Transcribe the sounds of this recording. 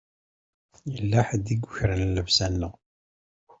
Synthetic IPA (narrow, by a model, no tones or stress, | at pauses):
jəlːaħəd̪iɡʷːʊçɾənːəvsænːəʁ